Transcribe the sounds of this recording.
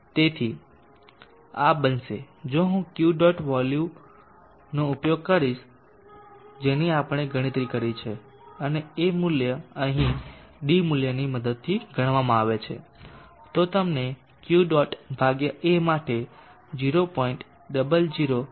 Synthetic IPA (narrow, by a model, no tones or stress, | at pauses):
t̪et̪ʰi | abənʃe | d͡ʒoɦũkjuɖɔʈʋɔlju | noupjoɡ̚kəɾiʃ | d͡ʒeniapəɽ̃eɡʱəɽ̃ĩt̪ɾikəɾit͡ʃʰe | əneemʊljəəɦĩɖimʊljəniməd̪əd̪̚t̪ʰiɡʱəɽ̃ʋamãaʋet͡ʃʰḛ | t̪ot̪əmne | kjuɖɔʈbʱaɡjəʔemaʈe | d͡ʒiɾopɔiɳʈ | ɖəbəld͡ʒiɾo